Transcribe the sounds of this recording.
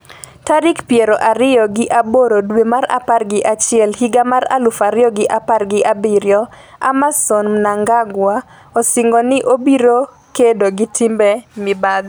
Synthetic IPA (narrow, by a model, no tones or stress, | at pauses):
taɾɪkpjeɾoʔaɾɪjɔɡɪʔaboɾodwemaɾa̰parɡɪʔat͡ʃɪɛlhiɡamaɾa̰lʊfaɾɪjɔɡɪʔaparɡɪʔabɪɾjɔ | a̰masonmnaŋɡaɡwa | ɔsɪŋɡɔnɪʔobiɾo | kedoɡɪtʰɪmbɛmɪbad̪